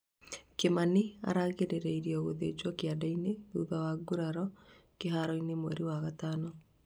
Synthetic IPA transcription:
kemania̰ɾaɣeɾeɾɛiɾiɛoɣoðḛd͡ʒwɔkeadaineðuðawaɡuɾaɾɔkeɦaɾɔinemwɛ̰ɾiwaɣataːnɔ

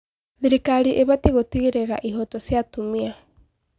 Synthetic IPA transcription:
ðiɾikaɾiʔeβatiɣotiɣeɾeɾaʔiɦɔtɔsiatumia

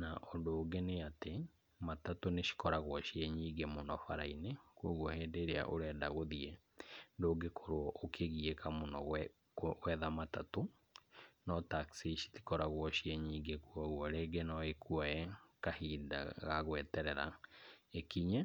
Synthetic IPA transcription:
naʔɔndoːɡɛneate | matatoneʃi̥kɔɾaɣwɔʃiɛɲiɡemonɔfaɾainekwoɣwɔhɛːdeɾea̰ʔoɾɛdaɣoðiɛ | ndoːɡekʰoɾoɔʔokʰeɣiekamonɔ | wɛðamatato | nɔtaksiʃi̥ti̥kɔɾaɣwɔʃiɛɲiːɡekuɔɣwɔɾeɡɛnɔekuɔɛkahiːda̰ɣaɣwɛtɛɾɛɾa̰ekiɲa

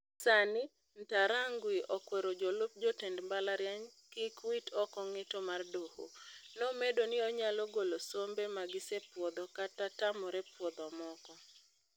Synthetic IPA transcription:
sanɪ | n̩taɾaŋɡwiʔɔkwɛɾod͡ʒolʊp̚d͡ʒɔtɛndmbalaɾjaɲkikwitʰɔkɔŋɪtomardoho̰nɔmedonɪɔɲalɔɡolosombemaɡɪsepwɔd̪ɔkatatamɔɾepwɔd̪ɔmɔkɔ

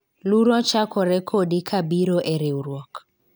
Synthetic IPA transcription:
luɾɔt͡ʃakɔɾɛkʰɔdikʰabiɾɔʔɛɾeuɾwɔk

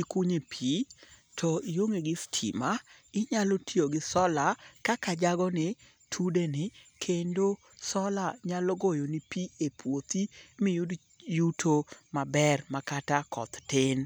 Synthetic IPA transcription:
ikuɲepʰitʰɔijoŋeɡɪstʰḭma | ɪɲalɔtioɡɪsɔlakakad͡ʒaɡɔnɪ | tʰudenɪkʰendo | sɔlaɲalɔɡojonɪpiepwot̪imɪju | jutʰomabɛrmakatakɔ̰t̪tɪn

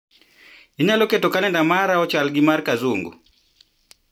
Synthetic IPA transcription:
iɲalɔkɛtɔkalɛndamaɾaɔt͡ʃalɡimaɾkazuŋɡṵ

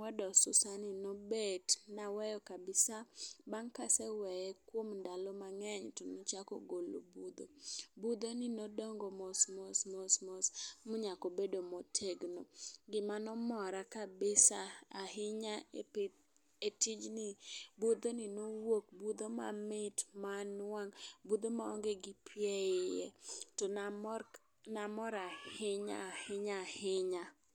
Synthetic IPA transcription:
ɛdɔsʊsanɪnɔbetnawɛjɔkabɪsabaŋkasɛwɛjɛkwomndalɔmaŋɛɲtɔnɔt͡ʃakɔ̰ɡolo̰bud̪obud̪onɪnodɔŋɡomosmosmosmosmʊɲakɔbedomotʰeɡnoɡɪmanɔmɔɾakabɪsaahɪɲaep | etɪd͡ʒnɪbud̪onɪnowok̚bud̪oma̰mɪtmanwaŋbud̪omaɔŋɡeɡɪpʰjɛɪjɛ̰ton | namɔɾahɪɲa̰hɪɲahɪɲa

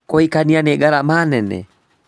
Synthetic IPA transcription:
kʼoikanianɛɡaɾamanɛnɛ̰

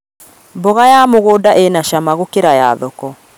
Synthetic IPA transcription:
mbɔɣajamoɣoːdaʔenaʃamaɣokeɾaja̰ðɔkɔ

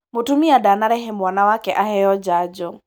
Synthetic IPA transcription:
mutumiadanaɾɛɦɛmwanawakɛʔaɦɛjɔd͡ʒad͡ʒɔ

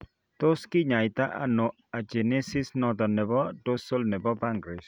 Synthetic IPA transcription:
t̪oskiɲajt̪aʔa̰no | ad͡ʒenesisnɔd̪ɔnɛbɔdosolnɛbɔbaŋɡɾɪs

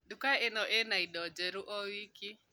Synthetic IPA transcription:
ɗukaɛnɔʔɛnaiɗɔd͡ʒɛɾuʔɔwiki

